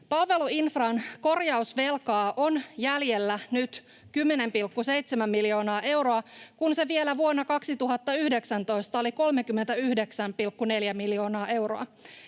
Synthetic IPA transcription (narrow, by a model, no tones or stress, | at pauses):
pɑlʋe̞luinfrɑnko̞rjɑusʋe̞lkɑːʔo̞njælje̞lːænyt̪ | kymːene̞mpilkːuse̞jt̪semæmːiljo̞ːnɑːʔe̞wɾo̞ɑkunse̞ʋie̞læʋuonːɑkɑksit̪uɦɑt̪ːɑyhdeksænt̪o̞jst̪ɑo̞liko̞lmekymːe̞nt̪æyhde̞ksæmpilkːune̞ljæmiljo̞ːnɑːʔe̞wɾo̰ɑ̰